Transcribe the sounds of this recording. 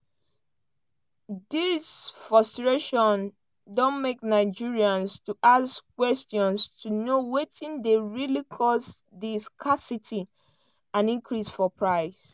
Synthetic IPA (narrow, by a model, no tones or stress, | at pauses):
disfɹɔstɹeʃɔ̃n | dɔ̃nmek̚naɪd͡ʒiɹiãnstuʔaskwɛstjɔ̃nstʰunowetĩndeɹilikʰɔsdiskʰasitʰi | ãnĩŋkʰɹisfɔpʰɹaɪs